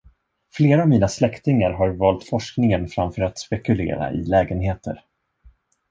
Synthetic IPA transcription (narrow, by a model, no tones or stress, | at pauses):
fleːɾaːvmiːnaslɛkt̪ɪŋaɾɦaɾvɑːlt̪fɔʂknɪŋənfɾamfœːɾat̪spɛkɵlḛːɾa̰ʔɪ̰lɛːɡənɦeːt̪ə̰ɾ